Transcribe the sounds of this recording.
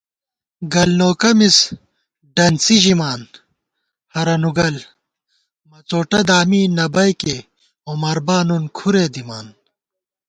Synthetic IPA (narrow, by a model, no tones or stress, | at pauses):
ɡɐlnoːkɐmis | ɖɐnsiʑimaːn | hɐɾɐnuɡɐl | mɐt͡soːʈɐd̪aːmiːnɐbɐjke | omɐɾbaːnunkʰuɾeːd̪imaːn